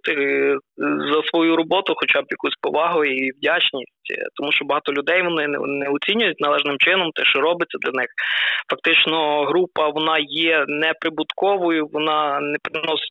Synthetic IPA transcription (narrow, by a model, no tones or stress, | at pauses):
t̪ɪ | zɐsʋɔjuɾɔbɔt̪ʊxɔt͡ʃɑbjɐkusʲpɔ̰ʋɑɦʊjiwdʲat͡ʃnʲisʲtʲt̪ɔmuʃt͡ʃɔbɔɦɑt̪ɔlʲʊd̪ɛjʋɔnɪ̰nɛɔt͡sʲinʲʊjʊtʲnɐlˠɛʒnɪmt͡ʃɪnɔmt̪ɛʃt͡ʃɔɾɔbɪtt͡sʲːɐd̪lʲɐnɪxfɐk̚t̪ɪt͡ʃnɔɦɾupɐʋɔnɑjɛnɛpɾɪbʊt̪kɔʋɔjʊʋɔnɑnɛpɾɪnɔsɪ̥